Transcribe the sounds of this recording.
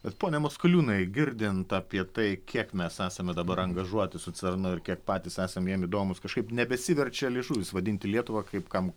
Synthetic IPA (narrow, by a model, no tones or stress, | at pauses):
bʲɛt̪poːnʲɛmoskʊlʲuːnɐɪɡʲɪɾʲd̪ʲɪnt̪ɐpʲiɛt̪ɐɪkʲʰiɛkmʲɛsæːsɐmʲɛd̪ɐbɐɾɐŋɡɐʒuɔt̪ʲɪsʊt͡sʲɛrnʊɪɾkʲiɛk̚pɑːt̪ʲiːsæːsɐmjiɛmɪd̪oːmʊskɐʃkɐɪpnʲɛbʲɛsʲɪʋʲɛrʲt͡ʃʲɛlʲɪʒuːʋʲɪsʋɐd̪ʲɪnʲt̪ʲɪlʲiɛt̪ʊʋɐkɐɪpkɐm